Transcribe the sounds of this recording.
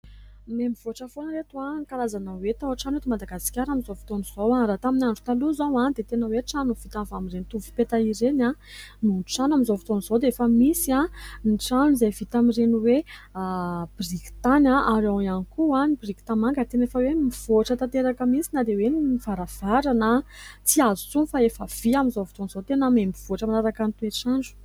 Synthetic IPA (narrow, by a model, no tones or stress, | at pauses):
memiv̥oʈ͡ʂəfonɾet̪uaŋkalazanawet̪awaʈ͡ʂanet̪umad̪aɡasi̥kʲaɾamizovi̥t̪oniz̥owaɾat̪aminaɳɖ͡ʐu̥t̪aluzawad̪et̪enəweʈ͡ʂanuv̥it̪avamirenit̪uvupet̪aiɾenamunʈ͡ʂanamizovi̥t̪onizod̪eefəmisianiʈ͡ʂanuizevit̪amireniwe | b̥riki̥t̪anaʔaɾawanikuanibriki̥t̪amaŋɡət̪enefəwemiv̥oaʈ͡ʂət̪at̪eɾakəmisinad̪eweniivaɾav̥aɾanət͡siazut͡sunfaefəv̥iamizovit̪onzot̪enəmembiv̥oaʈ͡ʂəmanaɾakanit̪ueʈ͡ʂaɳɖ͡ʐu̥